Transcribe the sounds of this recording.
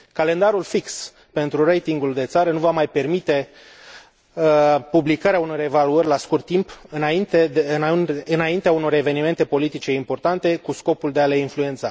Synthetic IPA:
kale̞nd̪aɾulfiks | pe̞nt̪ɾurejt̪iŋɡuld̪e̞t̪saɾənuvamajpe̞rmit̪e̞ | publikaɾeauno̞re̞valuərʲlaskurt̪ːimpɨnaint̪eɨnɨnaint̪eauno̞ɾe̞ve̞nime̞nt̪e̞po̞lit̪it͡ʃe̞impo̞rt̪ant̪e̞kusko̞puld̪eale̞influe̞nt̪sa

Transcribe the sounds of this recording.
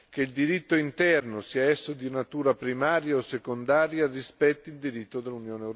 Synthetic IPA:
k̟eild̪iɾit̪ːoint̪ɛrnosiaɛsːod̪inat̪uːɾapɾimaːɾjaosːekond̪aːɾjarispɛt̪ːild̪iɾit̪ːod̪elːunjoːnewɾ

